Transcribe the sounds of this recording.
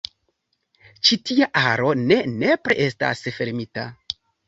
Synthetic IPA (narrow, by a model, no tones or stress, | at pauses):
t͡ʃitiaʔaɾo̞ne̞ne̞pɾḛʔe̞sta̰sfe̞ɾmita̰